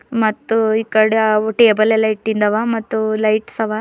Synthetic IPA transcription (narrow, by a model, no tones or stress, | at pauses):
mɐt̪ːuikːɐɽeʈeːbɐlelɐjʈ̚ːind̪ɐʋamɐt̪ːulɐjʈsɐʋa